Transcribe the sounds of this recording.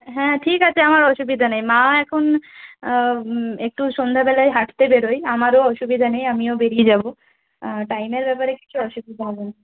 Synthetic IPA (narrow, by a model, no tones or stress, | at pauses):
ɦɛ̃ʈʰikat͡ɕʰeamaɾɔʃubid̪ʱanejmãɛkʰon | ek̚ʈuʃond̪ʱabɛlajɦaʈt̪ebeɾojamaɾoɔʃubid̪ʱanejamiobeɾied͡ʑabo | ʈajmeɾbɛpaɾeki̥t͡ɕʰuɔʃubid̪ʱaalena